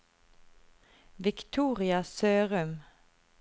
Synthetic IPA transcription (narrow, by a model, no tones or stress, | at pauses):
ʋɪkt̪ʰuːʁɪɑsøːʁœm